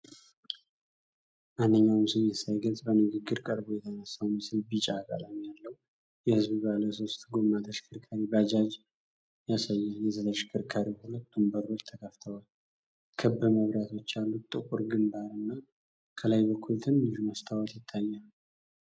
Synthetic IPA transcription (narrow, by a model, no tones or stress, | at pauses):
manːɨɲːawmsɨnjɛsajɡəzʼbənɨɡɨɡːɨɾkʼəɾbojɛt̪ʰənasəwmɨsɨlbit͡ʃʼakʼa̰lamjalːəwu | jɛhɨzbɨbaləso̞st̪ʼɡo̞mːat̪ʰəʃkʰɨɾkʰaɾibad͡ʒad͡ʒ | jasajːajɛzət̪ʰəʃkʰɨɾkʰaɾihulət̪d̪umbəɾot͡ʃt̪ʰəkʰəft̪ʰəwal | kʰɨbːɨməβɾat̪ʰo̞t͡ʃːalːut̪ʼɨkʼuɾɡɨmbaɾɨnːa | kʰəlajbəkʰːult̪ʰɨnɨʒumast̪ʰawət̪jɪt̪ʰːajːalu